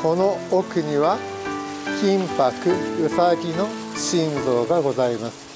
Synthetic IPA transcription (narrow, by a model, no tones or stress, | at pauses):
ko̞no̞okɯ̟ɲ̟iβa | kʲĩmpakɯ̟ɯfaɡʲino̞ | ɕĩnzo̞ːɡaɡo̞zaimasɨ̥